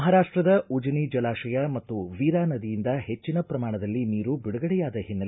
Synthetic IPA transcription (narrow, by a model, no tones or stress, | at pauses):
ɦaːɾaːʂʈɾɐd̪ɐud͡ʒɐnid͡ʒɐlaːʃɐjɐmɐt̪ːuʋiːɾaːnɐd̪ijind̪ɐhe̞t͡ʃːinɐpɾɐmaːɳɐd̪ɐlːiniːɾubiɽuɡɐɽɛjaːd̪ɐɦinːɐ